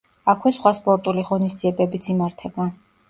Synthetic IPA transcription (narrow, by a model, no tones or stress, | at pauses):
akʰwɛsχwaspʼɔɾt̪ʼuliʁɔnisd̪z̥iɛbɛbit̪sʰimaɾt̪ʰɛba